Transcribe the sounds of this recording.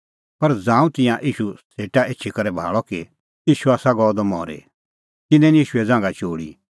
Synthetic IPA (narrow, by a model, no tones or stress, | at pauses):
pɐɾd͡zãːũt̪ɪ̃jãʔiːʃuseːʈaeːtːt͡ʃʰikɐɾɛbʱa̰ːɭɔki | iːʃuaːsaɡɔːd̪ɔmɔ̰ːɾḛ | t̪ɪnɛ̃nijiːʃuɛd͡zãːŋɡat͡ʃoːɽḭ